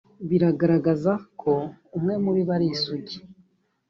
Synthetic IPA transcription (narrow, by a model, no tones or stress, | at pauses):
βiɾaɡaɾaɡazakʰo̞umŋe̞muɾiβaɾisuɟe